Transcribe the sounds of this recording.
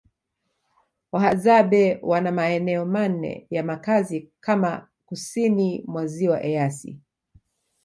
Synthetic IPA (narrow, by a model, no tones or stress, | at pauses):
wahazabɛwanamaɛnɛɔman̩ɛ̰jamakazikama | kusinimwaziwaʔɛasḭ